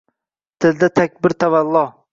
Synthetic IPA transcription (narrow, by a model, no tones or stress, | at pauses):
t̪ʰɪld̪at̪ʰakʲbɪɾt̪ʰavalːɒ